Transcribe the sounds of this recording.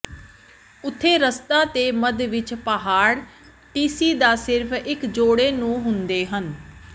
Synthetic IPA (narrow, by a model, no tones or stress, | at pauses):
ʊt̪ʰːeːɾəst̪aːt̪eːməd̪ʋɪt͡ʃpəɦaːɽ | ʈiːsiːd̪aːsɪɾpʰɪkd͡ʒoːɽeːnũːɦʊnd̪eːɦən